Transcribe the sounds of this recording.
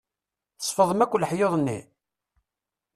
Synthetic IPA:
əsˤfəðˤəmækʷːləħjoðˤnːḭ

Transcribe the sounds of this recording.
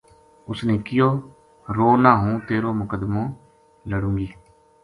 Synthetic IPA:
ʊsneːkɪjoː | ɾoːnaːɦũːt̪eːɾoːmʊkəd̪mõː | ləɽũːɡiː

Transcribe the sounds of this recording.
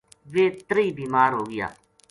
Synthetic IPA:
ʋeːt̪əɾiːbiːmaːɾɦoːɡɪja̰ː

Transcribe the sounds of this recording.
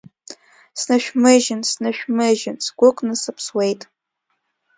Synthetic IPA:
snɨʃᶣmɨʒɪnsnɨʃᶣmɨʒɪnsɡʷʊkʷʼnɨsɨpʰswejtʼ

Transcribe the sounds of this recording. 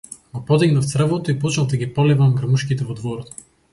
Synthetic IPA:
ɡopɔd̪ɛɡnəft̪sɾəvlˠot̪oipout͡ʃnəvd̪ɐɡʲipɔlɛvɐmɡɾɐmuʃkit̪ɛvod̪vɔɾot̪

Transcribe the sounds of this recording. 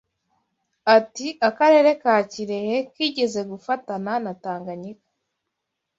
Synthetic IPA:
atiakaɾe̞ːɾe̞kaːciɾe̞je̞kiːɟe̞ze̞ɡufatananataːŋɡaɲikḁ

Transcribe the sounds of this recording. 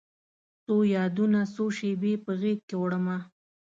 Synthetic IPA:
sojɑd̪unasoʃebepəɣek̚kewɽəma

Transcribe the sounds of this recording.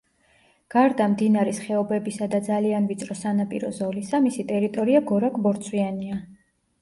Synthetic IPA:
ɡ̥aɾd̪amd̪inaɾɛsχɛɔbɛbisad̪ad̪zalianvit̪sʼɾɔsanapʼḭɾɔzɔlisamisit̪ʼɛɾit̪ʼɔɾiaɡɔɾakʼbɔɾt̪sʰwiania

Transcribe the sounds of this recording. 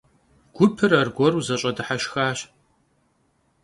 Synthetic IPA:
ɡ̥ʷʊpʰɨrɐrɡʷɔruzɐɕʼɐdɨħaɕxaːɕ

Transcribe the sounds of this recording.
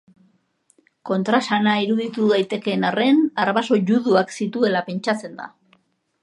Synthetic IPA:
ko̞nt̪ɾasanaiɾuðit̪uðajt̪e̞ke̞nare̞naɾβaso̞ʝuðuaksit̪ue̞lape̞nt͡ʃat͡se̞nd̪a̰

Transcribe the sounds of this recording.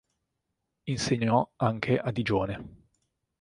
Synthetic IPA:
inseɲːɔaŋkʰeʔad̪id͡ʒoːne

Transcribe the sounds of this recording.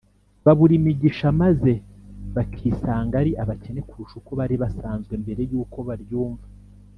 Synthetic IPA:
βaβuɾimiɟiʃamaze̞βakʰiːsaːŋɡaɾiʔaβace̞ne̞kuɾuʃukoβaɾiβasaːnzɡwembe̞ɾe̞juːko̞βaɾjuːɱva

